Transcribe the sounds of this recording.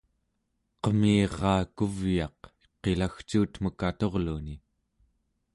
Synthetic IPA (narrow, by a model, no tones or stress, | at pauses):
qəmiːʁɑːkuvjɑq | qe̞laxt͡ʃuːt̪məkat̪o̞ʁluni